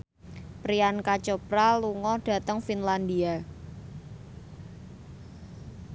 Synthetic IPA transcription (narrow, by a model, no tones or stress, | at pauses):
pɾiankat͡ʃɔpɾaluŋɔɖ̥a̤t̪əŋfinland̪ia